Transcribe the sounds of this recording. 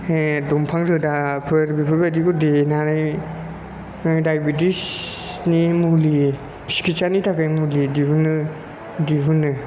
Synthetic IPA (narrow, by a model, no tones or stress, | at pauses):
hedɔmpʰaŋɾɯdapʰɯɾbipʰɯbadiɡudenaɾɯj | dajbitis | nimuli | si̥kʰit͡ʃanitʰakajmulidiɦunːɯ | diɦunːɯ